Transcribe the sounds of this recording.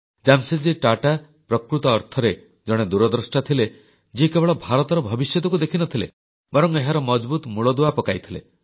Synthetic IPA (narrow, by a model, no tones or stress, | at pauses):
d͡ʒamsed͡ʒiʈaʈa | pɾɔkɾut̪ɔːɾt̪ʰɔɾe | d͡ʒɔɽ̃ed̪uɾɔd̪ɾɔsʈat̪ʰile | d͡ʒikebɔɭɔbʱaɾɔt̪ɔɾɔbʱɔbisjɔt̪ɔkud̪ekʰinɔt̪ʰilḛ | bɔɾɔŋeɦaɾɔmɔd͡ʒbut̪muɭɔd̪uapɔkajt̪ʰilḛ